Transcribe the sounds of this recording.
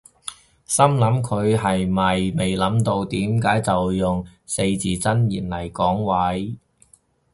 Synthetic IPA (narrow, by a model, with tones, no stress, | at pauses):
sɐ˥mlɐ˨˥mkʰɵ˨˧ɥɦɐ˨jmɐ˨jme˨jlɐ˨˥mt̪o˧wt̪iː˨˥mkaː˨˥jt͡sɐ˨wjʊ˨˩ŋse˧jt͡siː˨t͡sɐ˥njiː˨˩nlɐ˨˩jkɔː˨˥ŋwɐ˨˥j